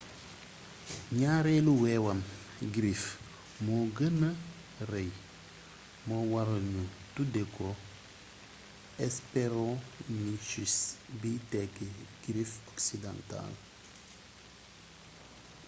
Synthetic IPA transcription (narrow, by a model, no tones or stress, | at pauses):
ɲaːɾɛluwɛːwɐm | ɡɾif | mɔɡənɐ | rɛj | mɔwɐɾɐɲu | tudɛkɔ | ɛspeɾɔ̃ɲiʃisbitɛkːeɡ̥ɾifɔksidã̰nta̰l